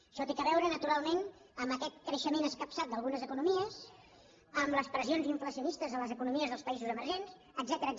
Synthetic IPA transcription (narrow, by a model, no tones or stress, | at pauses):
ʃɔt̪ikəβɛwɾənət̪uɾalˠmen | əmbəkɛt̪̚kɾəʃəmenəskəpsat̪̚d̪əlˠɣunəzəkunumiəs | əmləspɾəzionziɱfləsiunist̪əzələzəkunumiəzðəlˠspəizuzəməɾʒenz | əɡ̪zɛt̪əɾəː